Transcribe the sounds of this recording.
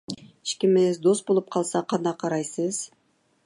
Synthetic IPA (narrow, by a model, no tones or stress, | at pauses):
i̥ʃkemezd̪o̞st̪̚bo̞lˠup̚qʰɑlˠsɑqʰɑnd̪ɑqʰɑɾɑjsɯz̥